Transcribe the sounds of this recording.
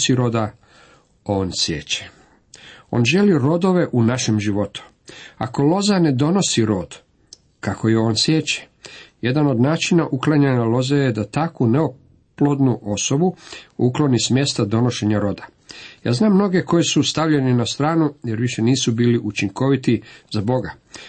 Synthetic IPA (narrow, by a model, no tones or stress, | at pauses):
siɾo̞d̪a | oːnsjḛːt͡ɕe̥ | o̰nʒe̞liɾo̞d̪o̞ʋe̞ʔunaʃe̞mʒiʋo̞t̪u̥ | a̰ko̞lo̞zane̞d̪o̞no̞siɾo̞ːd̪ | kako̞jeo̞ːnsje̞ːt͡ɕe̥je̞d̪ano̞d̪naːt͡ʃinaʔuklˠaɲeɲalo̞zejed̪at̪akuneo | plo̞d̪nuʔo̞so̞buuklo̞nismje̞st̪ad̪o̞no̞ʃe̞ɲaɾo̞d̪a | ja̰ːznaːmːno̞ɡe̞ko̞jisust̪aʋʎe̞ninast̪ɾaːnujeɾʋiʃe̞niːsubiːliʔut͡ʃiŋko̞ʋit̪izabo̞ɡa